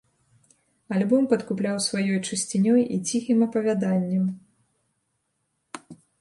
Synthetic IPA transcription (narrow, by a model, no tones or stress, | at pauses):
alʲbɔmpɐt̪kuplʲawsvajɔjt͡ʂɨsʲt͡sʲinʲɔjḭt͡sʲixɨmɐpɐvʲad̪anʲːɐm